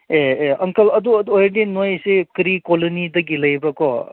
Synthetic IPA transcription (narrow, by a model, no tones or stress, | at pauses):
eeɐŋkɐlɐd̪uɐduojdinojsekɾikɔlonidɐɡilɐjbɐkɔ